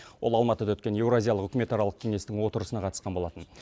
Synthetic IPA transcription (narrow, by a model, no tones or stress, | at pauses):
wo̞lˠɑlˠmɑt̪əd̪ɑwɵt̪kʲe̞nje̞wɾoazʲijɑlˠəqʏkʲɪme̞t̪aɾɑlˠəq̚kʲʰeŋe̞st̪ɪŋwo̞t̪əɾəsənɑqʰɑt̪əsqɑnbo̞lˠɑt̪ən